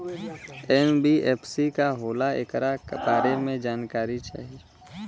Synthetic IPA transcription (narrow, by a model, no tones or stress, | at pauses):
ɛnbiɛːpʰsikaɦoːlaḛkɾakbaːɾemẽd͡ʒaːnkaːɾit͡ʃa̰ːɦi